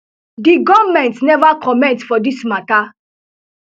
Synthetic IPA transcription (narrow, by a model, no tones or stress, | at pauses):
diɡɔvmɛ̃ntnɛvakʰɔmɛ̃ntfɔdismata